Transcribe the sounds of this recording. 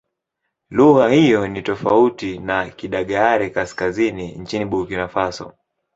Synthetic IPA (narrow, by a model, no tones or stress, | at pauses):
luɣahijɔnitɔfautinakiɗaɠaaɾɛkaskazinint͡ʃiniɓukinafasɔ̰